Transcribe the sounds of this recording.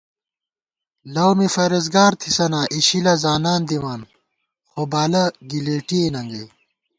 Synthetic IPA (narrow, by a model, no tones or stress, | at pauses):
lɐwmifɐɾɐzɡaːɾt̪ʰi̥sɐnaːʔiɕilɐzaːnaːnd̪iwaːn | xobaːlɐɡileːʈienɐŋɡe